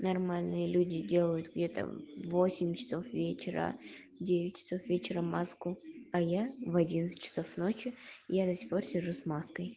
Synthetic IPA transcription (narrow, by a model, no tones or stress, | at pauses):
nɐrmalʲnɨjəlʲudʲɪdʲe̞lˠəjʊt̪ɡdʲe̞t̪ə̰vo̞sʲɪmʲt͡ɕɪ̥so̞fvʲet͡ɕɪɾə̰ | dʲevʲɪt̚ʲt͡ʃɪ̥so̞fvʲet͡ɕɪɾəmaskuɐjavɐdʲinət̪sɨ̥tʲt͡ɕːɪ̥sofnot͡ɕɪjad̪əsʲɪ̥xpo̞rsʲɪʐusmaskəj